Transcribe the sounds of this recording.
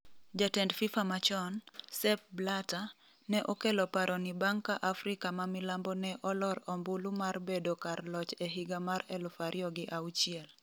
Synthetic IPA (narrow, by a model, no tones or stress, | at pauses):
d͡ʒatɛndfifamat͡ʃɔnsɛp̚blata | nɛʔɔkelɔpaɾʔɔnibaŋkaʔafɾikamamɪlambɔnɛʔɔlɔɾɔmbulumarbedokarlɔt͡ʃɛɦiɡamaɾɛlʊfaɾʔjɔɡɪʔaut͡ʃiɪɛl